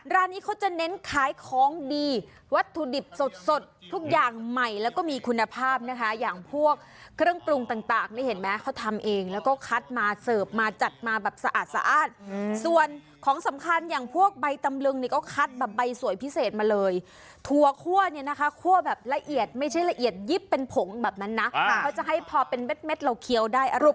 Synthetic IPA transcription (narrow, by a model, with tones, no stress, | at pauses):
ɾaː˦˥˩niː˦˥kʰa˦˥wt͡ɕa˨˩ne˦˥nkʰaː˨˩˦jkʰɔː˦˥ŋdiː˧ | wa˦˥t̪ʰːu˧di˨˩p̚so˨˩t̪̚so˨˩t̪ʰːu˦˥k̚jaː˨˩ŋma˨˩jlɛː˦˥wkɔː˥˩miː˧kʰu˧nːa˧pʰaː˥˩p̚na˦˥kʰa˦˥jaː˨˩ŋpʰu˥˩ək̚ʰː | ɾɯ˥˩əŋpɾu˧ŋt̪aː˨˩ŋt̪aː˨˩ŋniː˥˩he˩˦nmɛː˦˥kʰa˦˥wt̪ʰa˧mʔeː˧ŋlɛː˦˥wkɔː˥˩kʰa˦˥t̪̚maː˧sɤː˨˩p̚maː˧t͡ɕa˨˩t̪̚maː˧bɛː˨˩p̚sa˧ʔa̰ː˨˩t̪̚sa̰˧˦ʔaː˨˩t̪̚su˨˩ən | kʰɔː˩˦ŋsa˩˦mkʰa˧njaː˨˩ŋpʰu˥˩ək̚ba˧jt̪a˧mlɯ˧ŋni˧˩kɔː˥˩kʰa˦˥t̪̚bɛː˨˩p̚ba˧jsu˨˩˦jpʰi˦˥seː˨˩t̪̚maː˧lɤː˧j | t̪ʰu˧ɐkʰu˥˩əni˥˩na˦˥kʰa˦˥kʰu˥˩əbɛː˨˩p̚la˧ʔi˨˩ət̪̚ma˥˩jt͡ɕʰa˥˩jla˧ʔi˨˩ət̪̚ji˦˥˩pːe˧npʰo˩˦ŋbɛː˨˩p̚na˦˥nːa˦˥kʰa˦˥wt͡ɕa˨˩ɦa˥˩jpʰɔː˧pe˧nwe˦˥t̪̚me˦˥t̪̚la˧˩wkʰi˧əwdaː˥˩jʔa˧˨˩p̚